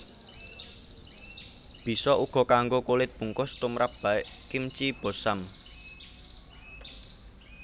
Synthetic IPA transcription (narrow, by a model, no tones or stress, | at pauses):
b̥i̤sɔʔuɡ̥ɔ̤kaŋɡokulɪt̪̚b̥ṳŋkʊst̪umɾap̚b̥a̤ɪʔkimt͡ʃib̥o̤sam